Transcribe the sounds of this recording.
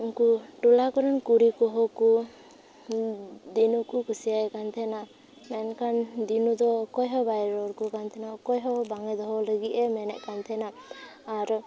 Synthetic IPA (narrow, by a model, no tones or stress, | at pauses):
uŋkuʈulakɔɾɔnkuɾikɔɦɔku | d̪inukukusijajkant̪ʰɛna | mɛnkʰand̪inud̪ɔkɔjɦɔbajɾɔɾkukant̪ʰɛnakɔjɦɔbaŋɛd̪ɔɦɔləɡiʔɛmɛnɛ̰ʔkant̪ʰɛnaː | ɾɔ